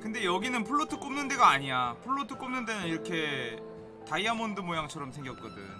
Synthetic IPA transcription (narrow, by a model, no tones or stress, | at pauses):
kɯnde̞jʌɡinɯnpʰuɭːotʰɯk͈omnɯnde̞ɡaːɲijapʰuɭːotʰɯk͈omnɯnde̞nɯniɾʌkʰe̞ | taiamondɯmojaŋt͡ɕʰʌɾʌmsʰe̞ŋɡjʌp̚k͈ʌdɯ̰ɲ